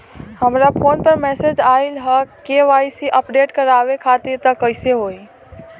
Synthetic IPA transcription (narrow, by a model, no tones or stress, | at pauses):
həmɾapʰonpəɾmɛsed͡ʒailɦəkeʋajsiʔəpɖeʈkəɾaβekʰat̪iɾt̪əkəseɦoi